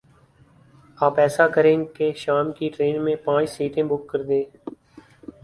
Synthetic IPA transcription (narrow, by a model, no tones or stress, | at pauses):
aːpɛːsakəɾẽːkeʃaːmkiʈɾeːnmẽpãːt͡ʃsiːʈẽːbʊkːəɾd̪ẽː